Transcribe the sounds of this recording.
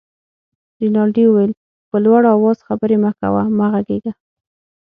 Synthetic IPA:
ɾinɑlɖiwəwajl | pəlwaɽawɑz̥xabəɾemaka̰wa̰maɣaɡeɡa

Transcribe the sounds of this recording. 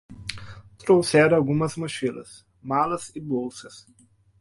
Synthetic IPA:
t̪ɾowsɛɾawɡũmɐzmuʃilɐ̰s | malɐzɪbowsɐs

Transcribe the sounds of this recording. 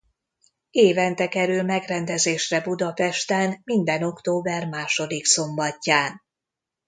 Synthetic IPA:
eːvɛnt̪ɛkɛɾylmɛɡrɛnd̪ɛzeːʃrɛbud̪ɒpɛʃt̪ɛnmind̪ɛno̞kt̪oːbɛrmaːʃo̞d̪ikso̞mbɒcːaːn

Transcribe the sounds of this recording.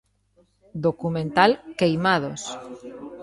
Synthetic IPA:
d̪okumẽnt̪alkejmað̞os

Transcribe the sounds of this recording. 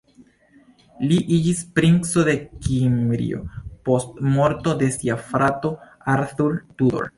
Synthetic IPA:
liʔid͡ʒispɾinso̞de̞kimɾḭo̞̰po̞stmo̞ɾto̞de̞siafɾato̞ | aɾθuɾtuo̰ɾ

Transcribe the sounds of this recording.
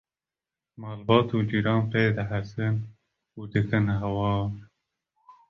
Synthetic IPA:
mɑːlbɑːt̪ʰuːd͡ʒiɾɑːnpejd̪aɦasɨn | ud̪ɨkʰɨnɦawɑː

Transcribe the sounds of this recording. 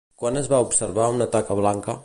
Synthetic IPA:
kwanəzβaupsəɾβaunat̪akəβ̞laŋkə

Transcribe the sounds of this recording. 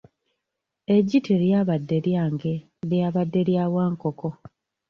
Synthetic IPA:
e̞ɟːitʰiɾjaːβadːe̞ɾjaːŋɡe̞ | ljaːβadːe̞ɾjaːwaːŋkoko̞

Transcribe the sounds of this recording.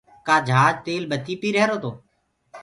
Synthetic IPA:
kaːd͡ʒʱaːd͡ʒt̪eːlɓət̪iːpiːɾɛɦɾoːt̪ʰoː

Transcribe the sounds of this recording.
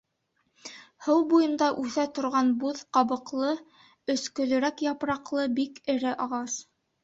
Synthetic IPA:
hɤw̪ˠbujɤ̆nd̪ɑʔʉθæt̪ŏɾʁɑnbuðqɑβɤ̆qlˠɤ | ɵ̆skɵ̆lɵ̆ɾækjɑpɾɑqlˠɤbikɘ̆ɾɘʔɑʁɑs

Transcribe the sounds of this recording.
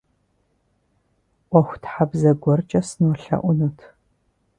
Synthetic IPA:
ʔʷɔxʷtħabzɐɡʷɔrt͡ʃʼɐsɨnwɔɬɐ̰ʔʷʊnutʰ

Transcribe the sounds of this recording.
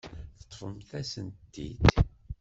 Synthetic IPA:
θə̥t̪ˤːfəmθæsənt̪ːḭd̪

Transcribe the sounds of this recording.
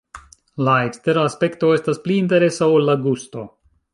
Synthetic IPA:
laekst̪e̞ɾaaspe̞kt̪o̞e̞staspliːnte̞ɾe̞saolːaɡusto̞

